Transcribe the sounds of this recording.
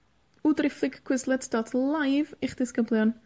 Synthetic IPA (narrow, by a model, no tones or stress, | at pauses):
udrɪfˠɪɡkʰw̥ɪzlˠɛtʰd̥ɔtʰlˠajvɪχd̥ɪskəblˠjɔn